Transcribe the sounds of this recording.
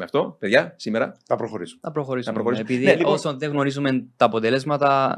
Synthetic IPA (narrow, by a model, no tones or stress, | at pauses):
meɐft̪o̞peðʝɐsimeɾɐ̰θɐpɾoxoɾisu̥mnɐpɾoxo̞ɾisɐumpɾoxoɾisuepiðineliosonðeɣno̞ɾizument̪ɐːpot̪ele̞zmɐt̪ɐ